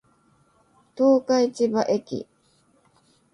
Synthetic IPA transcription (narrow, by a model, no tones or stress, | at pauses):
t̪oːkait͡ɕibaʔekʲḭ